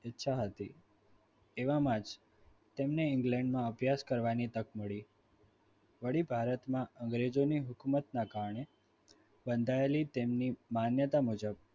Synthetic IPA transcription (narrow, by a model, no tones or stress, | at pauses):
ɪtːʃʰaɦət̪i | eʋãmãd͡ʒ | t̪emneɪŋɡlɛ̃ɳɖmãəbʱjaskəɾʋanit̪əkməɭi | ʋəɽibʱaɾət̪mãəŋɡɾed͡ʒoniɦʊkumət̪nakaɾɳe | bənd̪ʱaelit̪emnimanjət̪amud͡ʒəb̚